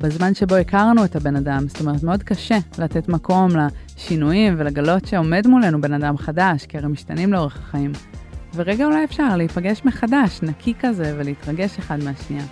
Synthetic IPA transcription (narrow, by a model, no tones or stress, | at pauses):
bezmanʃe̞bo̞ikaʁnuethabe̞nadamst̪o̞me̞ʁetmeo̞dkaʃe̞late̞tmako̞mla | ʃinujimve̞laɡalo̞tʃe̞o̞me̞dmule̞nube̞nadamχadaʃkiaʁejmiʃtanimleo̞ʁ̞eχaχaimveʁe̞ɡaulajefʃaʁleipaɡe̞ʃmeχadaʃnakʰikaze̞ve̞leitʁaɡe̞ʃeχadmeaʃnia